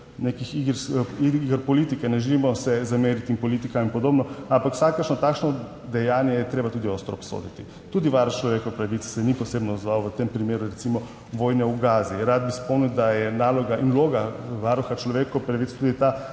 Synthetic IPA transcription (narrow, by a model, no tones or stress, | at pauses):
nekixiɡɾsiɡəɾpɔlit̪ikɛnɛʒɛlimɔsɛzameːɾit̪iinpɔlit̪ikainpɔd̪oːbnɔampakw̥sakəʃnɔt̪aːkʃnɔ | d̪ɛjaːnjɛjɛt̪ɾeːbat̪uːd̪iost̪ɾɔːpso̰d̪it̪i | t̪uːd̪iʋaɾxt͡ʃlɔʋekɔpɾaʋit̪ssɛnipɔsebnɔːzʋawʋət̪empɾimeːɾuɾɛsimɔ | ʋoːjnɛuɡaːziɾad̪̚bispɔmniwd̪ajɛnaːlɔɡaʔinloːɡaʋaɾuxat͡ʃlɔʋekɔpɾaʋit̪st̪uːd̪it̪a